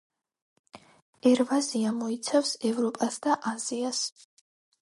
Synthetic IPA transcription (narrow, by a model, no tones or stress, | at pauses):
ɛɾvaziamɔit̪sʰafsɛvɾɔpʼasd̪aʔazias